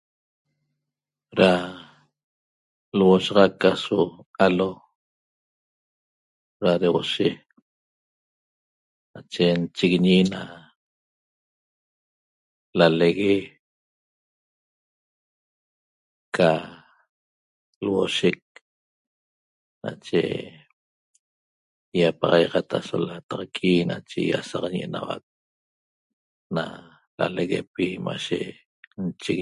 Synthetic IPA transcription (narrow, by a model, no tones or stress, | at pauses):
ɾa | lwoʃɑʁɑkasoalo | ɾaɾewoʃe | nat͡ʃent͡ʃiɣiɲina | laleɣe | ka | lwoʃek̚ | nat͡ʃe | japɑʁɑjʁɑt̪ʰasolat̪aqkʼinat͡ʃejasɑqɲʔenawa̰k̚ | na | laleɣepimaʃḛ | nt͡ʃi